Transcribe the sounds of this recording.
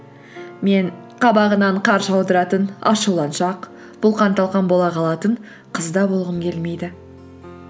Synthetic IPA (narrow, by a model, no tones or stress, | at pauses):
me̞ɴqʰɑbɑʁənɑɴqʰɑɾʒɑwd̪əɾɑt̪ənɑ̰ʃəwlˠɑnʃɑq | b̥ʊlˠqʰɑnt̪ɑlˠʁɑnbo̞lˠɑqʰɑlˠɑt̪ən | qʰəzd̪ɑbolˠʁəmkʲʰe̞lme̞jd̪ɪ